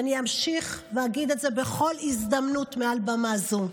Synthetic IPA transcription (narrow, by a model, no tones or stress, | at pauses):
aniamʃiχveaɡid̪etze̞be̞χo̞lizd̪amnutmealbamazu